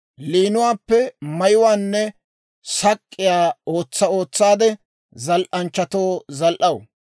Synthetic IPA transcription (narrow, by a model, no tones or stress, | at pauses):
liːnʊwaːpːɛmɐjʊwaːnːɛ | sɐkʼːɪjaːo̞ːt͡sːɐo̞ːt͡sːaːd̪ɛ | zɐlʔɐnt͡ʃːɐt̪oːzɐlʔɐwʊ